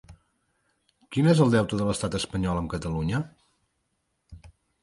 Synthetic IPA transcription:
kinezəlˠd̪ɛwt̪uðələst̪at̪əspəɲɔləmkət̪əluɲə

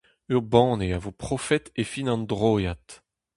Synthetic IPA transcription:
yʁbɑ̃ːneavopχɔfɛt̪efinɑ̃nd̪ʁoːjat̪

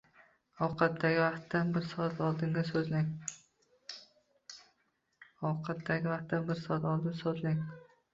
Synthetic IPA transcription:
ɒwqʰɑt̪ːaɡʲɪvɑqt̪ːanbɪɾsɒat̪ɒlˠd̪ɪŋɡʲasɵznɪŋ | ɒwqʰɑt̪d̪aɡʲɪvaqt̪ːanbɪɾsɒat̪ɒlˠd̪ɪnsozlnɪŋ

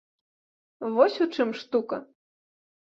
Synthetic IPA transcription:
vɔsʲut͡ʂɨmʂt̪ukɐ

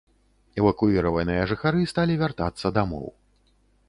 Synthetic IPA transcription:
ɛvɐkuiɾɐvɐnɨjɐʐɨxaɾɨst̪alʲivʲart̪at̪sːɐd̪amɔ̰w

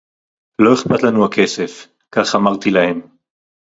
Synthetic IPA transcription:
lo̞eχpat̪lanuhakʰe̞se̞f | kaχamaʁt̪ilahe̞m

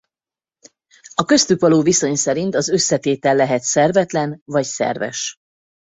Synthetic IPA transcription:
ɒkø̞st̪ykʋɒloːviso̞ɲsɛɾint̪ɒzø̞sːɛt̪eːt̪ɛlːɛɦɛt̪sɛrvɛt̪lɛnvɒcsɛ̰rvɛ̰ʃ

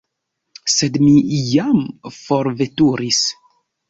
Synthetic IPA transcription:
sedmijamfoɾvetuɾis

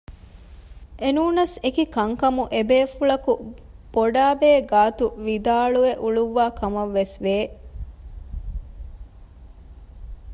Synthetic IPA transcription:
ʔenuːnɐsekikɐŋkɐmuʔebeːfuɭɐku | b̥oɖaːbeːɡaːt̪uʋid̪aːɭueʔuɭuʋːaːkʰɐmɐʋːesʋeː

